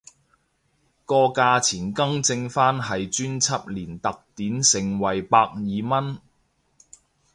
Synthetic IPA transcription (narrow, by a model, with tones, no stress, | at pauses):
kɔː˧kaː˧t͡sʰiː˨˩nkɐ˥ŋt͡sɪ˧ŋfaː˥nɦɐ˨jt͡ʃyː˥nt͡sʰɐ˥p̚liː˨˩nt̪ɐ˨k̚t̪iː˨˥nsɪ˨˩ŋwɐ˨˩jpaː˧k̚jiː˨mɐ˥n